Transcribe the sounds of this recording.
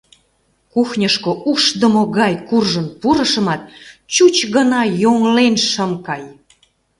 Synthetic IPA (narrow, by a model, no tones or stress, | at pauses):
kuxnʲəʃkoʔuʃd̪əmoɣɑjkurʒənpuɾə̆ʃə̆mɑt̪̚t͡ɕut͡ɕɣənɑjoŋlenʃəmkɑj